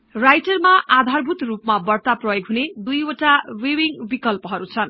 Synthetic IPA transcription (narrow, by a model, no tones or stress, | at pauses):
rajʈʌrmaʔad̪ʱarbʱut̪rupmabʌrt̪aprʌjoɡɦuned̪ujoʈawewiŋbikʌlpʌɦʌɾut͡sʰʌn